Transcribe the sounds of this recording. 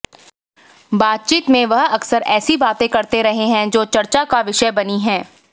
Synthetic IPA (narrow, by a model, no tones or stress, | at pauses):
baːt̪̚t͡ʃiːt̪mẽʋɐɦɐksəɾɛːsibaːt̪ẽkɐɾt̪eɾɐɦeɦɛ̃d͡ʒoːt͡ʃɐɾt͡ʃakaʋɪʃəbɐniɦɛ̃ː